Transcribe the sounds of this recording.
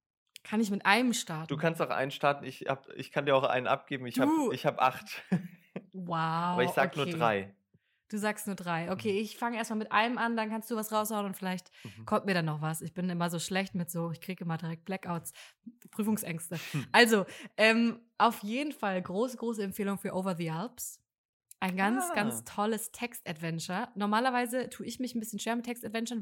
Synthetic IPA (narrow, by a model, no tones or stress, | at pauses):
kʰanɪçmɪtʔaɪnəmʃtaɐtd̥uːkʰanstaʊxʔa̰ɪnənʃtaɐtn̩ɪçha̰ːbʔɪ̰çkʰandiːɐaʊʔa̰ɪnənʔa̰p̚ɡ̥eːbm̩ɪçdaːuːɪçhaːbʔa̰χt | waɐɪz̥aːɡənuːɐeʁaɪ | d̥uːzaːkstnuːɐdʁaɪʔokʰeːɪçfaŋəʔeːɐstmalmɪtʔa̰ɪnəmandankʰanstd̥uːvasʁaʊshaʊənʊntfɪlaɪçtkʰɔmtmiːɐɾanːɔχvasɪçb̥ɪnɪmɐzoːʃlɛçtmɪtz̥oːɪçkʁ̥iːɡəɪmɐdiʁɛk̚t̚b̥lɛkʔaʊtspʁ̥yːfʊŋsʔɛŋstəʔalzoʔɛːmʔaʊfjeːdn̩falɡʁoːsəɡʁoːsəɛmpfeːlʊŋfyːɐʔoːvɐðiʔɛlps | ʔaɪnɡant͡sɡ̥ant͡stʰɔləstʰɛkstatv̥ɛnt͡ʃɐnɔɐmaːlɐvaɪzətʰuːɪçnmɪçn̩bɪsçən̩ʃv̥eːɐmɪtʰːɛkstatv̥ɛnt͡ʃɐ